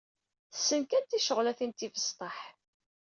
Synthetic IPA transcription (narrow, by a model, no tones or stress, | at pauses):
sːənkænt̪ːiʃəʁlæθənt̪ːivəst̪ˤɑħ